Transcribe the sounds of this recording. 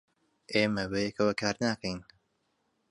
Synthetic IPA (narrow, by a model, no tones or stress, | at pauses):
ʔeːmɐbɐjekʰɐwɐkʰaːɾnaːkʰɐjn